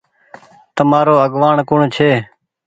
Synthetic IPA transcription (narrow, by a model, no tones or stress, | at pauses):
t̪əmaːɾoːəɡʋaːɳkʊɳt͡ʃʰeː